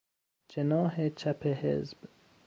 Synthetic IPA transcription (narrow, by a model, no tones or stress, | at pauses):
d͡ʒenɒːɦet͡ʃʰæpʰehḛzb̥